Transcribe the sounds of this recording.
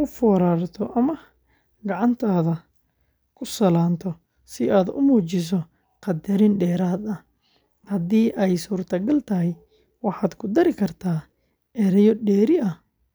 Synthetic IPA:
ʊfɔːɾaːrt̪ʰɔʔɐmɐ | ɡɑʕɑnt̪ʰaːðɐ | kʰʊsɐlaːnt̪ʰɔ | sɪaːd̪ʊ̰muːt͡ʃɪs̬ɔ | qɑd̪ɐɾɪnɖɛːɾaːd̪ɐ | hɐd̪iːʔɛjsuːrt̪ʰɐɡɐlt̪ʰɐɦɛj | wɑħɑːd̪kʰʊd̪ɐɾɪkʰɐrt̪ʰaː | ɛɾɛjɔɖɛːɾɪʔɐ

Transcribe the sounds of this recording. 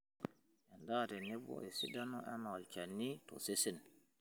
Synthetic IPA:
ʔandaɾɛnɛbɔ̰ʔɛsidanɔʔɛnwalt͡ʃanːitɔ̰sesin

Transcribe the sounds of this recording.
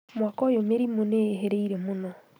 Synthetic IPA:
mwakɔjomeɾimoneːɦeɾeiɾemonɔ

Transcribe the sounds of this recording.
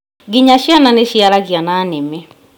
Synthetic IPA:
ɡiɲaʃjananeʃjalaɣjanaːnemɛ

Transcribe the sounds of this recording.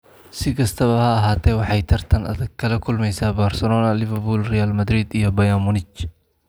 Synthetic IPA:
sɪkɐst̪ʰɐβɐhaɐɦaːt̪ːewɐħajt̪ʰɐɾt̪ʰɐnɐ̰d̪ɐkːɐlɐkʊlmɛjsabaɾsɛloːnalɪvɐɾbulɾijalmɐd̪ɾid̪ɪjɐbɐjamʊnɪt͡ʃː

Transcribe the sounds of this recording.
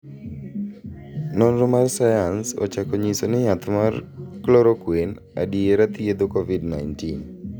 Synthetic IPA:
nɔnrɔmarsajansɔ̰t͡ʃakɔɲisonɛɲat̪marklɔɾokwen | a̰dieɾat̪jed̪okɔvidna̰jntin

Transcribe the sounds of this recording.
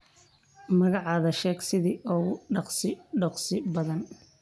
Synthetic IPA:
mɐɣɑʕɑːðɐʃɛːɡsɪðiːʔɔːɖɑqsɪɖɑqsɪbɐðɐn

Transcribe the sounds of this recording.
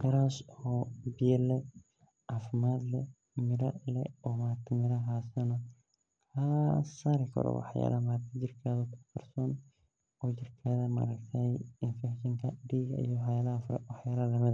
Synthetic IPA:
qɐɾashɔːbɪjɛlɛ | ʔafɪmaːd̪lɛ | mɪɾɐlɛ̰ɔːmaːɾt̪ʰɪmɪɾɐɦaːsɐnɔ | hɐɐsaːɾɪkʰɐ̰ɾɔ̰wɑ̰ħja̰ːlʔɐmaːt̪ʰɪd͡ʒɪrkʰaðɔkʰʊqɐrsɔːn | ɔːt͡ʃɪrkʰaːðɐmɐ̰ɾɐkt̪ʰɐjɪnfɛkʃɐŋkʰɐɖiːɣɐḭjɔwħjaːlɐhɐfʊɾɛ̰wɑħjaːlɐlɐmɪd̪ɐ

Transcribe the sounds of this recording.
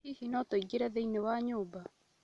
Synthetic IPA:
ihinɔtoiɡeɾɛðeinewaɲoːba

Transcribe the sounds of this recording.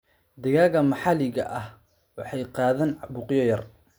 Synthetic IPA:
d̪ɐɣaːɣɐmɑħɑlɪɣɐ̰ʔɐh | wɑħɑjqɑːðaːnbʊqjɔjɐr

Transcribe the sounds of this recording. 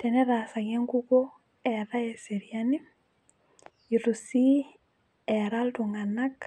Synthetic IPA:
tɛnɛɾasaɣeŋɡuko | ɛɾaeseɾiani | iɾusi | ɛɾaltuŋanak

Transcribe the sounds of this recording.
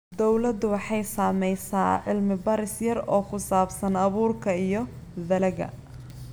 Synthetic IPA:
d̪ɔwlɐd̪ʊwɑħɑjsaːmɛjsa̰ːʕɪlmɪbɐɾɪsjɐrɔːkʰʊsaːbsɐnɐβuːrkʰɐijɞ | ðɐlɐɣɐ̰

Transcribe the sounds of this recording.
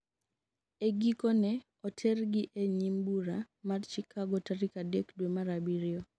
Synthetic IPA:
eɡikɔnɛ | ɔtʰɛrɡɪʔeɲimbuɾa | madt͡ʃikʰaɡɔtaɾikadekdwemaɾabiɾɪɔ

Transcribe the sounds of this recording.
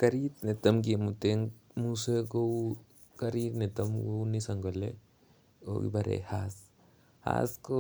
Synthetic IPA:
kɐɾit̪net̪ɐmɡimut̪eŋ | museɡow | kɐɾit̪net̪ɐmɡownisɐŋɡole | o̰ɡḭbɐɾḛhaːs | ha̰sko

